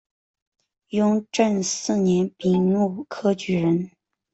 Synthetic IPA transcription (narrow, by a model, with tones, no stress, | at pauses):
jʊ˥ŋʈ͡ʂə˥˧nsɹ̩˥˩njɛ˧˥npi˨˩ŋnu˥˩kʰɤ˥t͡ɕy˧˥ɻə˧˥n